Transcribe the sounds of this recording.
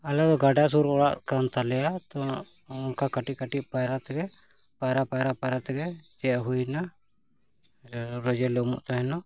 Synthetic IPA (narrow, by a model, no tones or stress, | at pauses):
alɛd̪ɔɡaɖas̬uɾɔɽaʔkant̪alɛjat̪ɔ | ɔnkakaʈikaʈiʔ̚pajɾat̪ɛɡɛ | pajɾapajɾapaɾat̪ɛɡɛd͡ʒɛaɦujna | ɾɔd͡ʒɛlɔmṵʔt̪aɦɛnɔ